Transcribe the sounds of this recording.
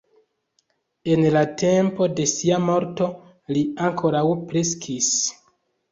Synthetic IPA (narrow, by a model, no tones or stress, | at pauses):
e̞nlate̞mpo̞de̞siamo̞ɾto̞ | liaŋkʰo̞ɾawpɾe̞skʰis